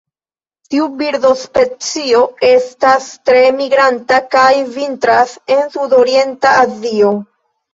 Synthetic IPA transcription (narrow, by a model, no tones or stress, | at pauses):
tiubiɾdo̞spe̞t͡sio̞e̞stastɾe̞miɡɾantakajvintɾase̞nsudo̞ɾie̞ntaːzio̞